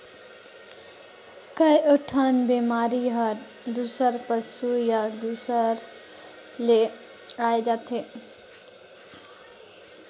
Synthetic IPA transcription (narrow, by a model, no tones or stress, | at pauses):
kəjoʈʰənbemaɾiɦəɾ | d̪usəɾpəsujad̪usəɾ | le | aed͡ʒat̪ʰe